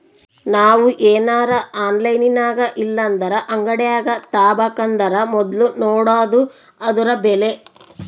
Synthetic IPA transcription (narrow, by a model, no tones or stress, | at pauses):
naːʋuʔeːnaːɾɐʔaːnlɐjninaːɡɐʔilːɐnd̪ɐɾɐʔɐŋɡɐɽɛjaːɡɐt̪aːbɐkɐnd̪ɐɾɐmɔd̪lunoːɽaːd̪u | ɐd̪uɾɐbɛle̞